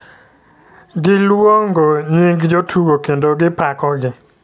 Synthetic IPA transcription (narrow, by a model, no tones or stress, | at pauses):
ɡɪlwoŋɡoɲiŋɡd͡ʒotʰuɡokendoɡɪpakɔɡɪ